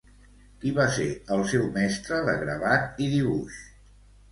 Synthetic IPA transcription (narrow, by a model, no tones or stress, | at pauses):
kiβasḛɾəlˠsɛwmɛst̪ɾəðə̰ɣɾəβat̪̚iðiβuʃ